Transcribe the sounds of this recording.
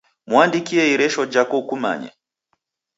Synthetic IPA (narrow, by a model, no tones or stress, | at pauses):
mwandikiɛiɾɛʃɔd͡ʒakɔkuma̰ɲɛ̰